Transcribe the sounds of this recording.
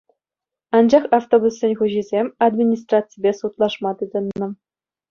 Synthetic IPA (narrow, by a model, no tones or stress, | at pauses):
ɑnd͡ʑɑχɑft̪obusːʲĕnʲχuʑizʲemʲɑd̪mʲinʲis̬t̪rɑt̪t͡sɨjbʲesut̪lˠɑʂmɑt̪ɯd̪ʲɤ̆nːɤ̆